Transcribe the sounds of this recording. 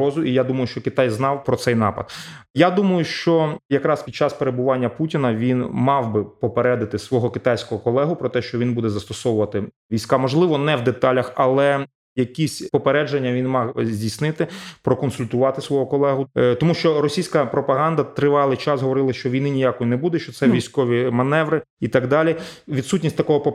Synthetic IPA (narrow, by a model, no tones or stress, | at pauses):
ɔzʊʔijad̪umɐjʊʃt͡ʃɔkɪt̪ɑjznɑwpɾɔsɛjnɑ̰pɐ̰d̪̚jad̪umɐjʊʃt͡ʃɔjɐkɾɑspʲid̪̚t͡ʃɑspeɾebʊʋɑnʲːɐputʲinɐʋʲinmɑwbɪpɔpeɾɛd̪ɐt̪ɪsʋɔɦɔkɪt̪ɑjsʲkɔɦɔkɔlˠɛɦʊpɾɔt̪ɛʃt͡ʃɔʋʲinbud̪ɛzɐst̪ɔsɔwʊʋɐt̪ɪ | ʋʲijsʲkɑmɔʒlˠɪʋɔnɛwd̪et̪ɑlʲɐxɐlˠɛ | jɐkʲisʲpɔpeɾɛd͡ʒenʲːɐʋʲinmɑxzʲdʲijsnɪt̪ɪpɾɔkɔnsʊlʲt̪ʊʋɑt̪ɪsʋɔɦɔkɔlˠɛɦʊt̪ɔmuʃt͡ʃɔɾɔsʲijsʲkɐpɾɔpɐɦɑnd̪ɐt̪ɾɪʋɑlˠɪjt͡ʃɑsɦɔʋɔɾɪlˠɐʃt͡ʃɔʋʲijnɪnʲijakɔjinebud̪ɛʃt͡ʃɔt̪sɛʋʲijsʲkɔʋʲimɐnɛʋɾɪ | it̪ɑɡd̪ɑlʲiʋʲid̪sutʲnʲisʲt̪ɐkɔɦɔpɔ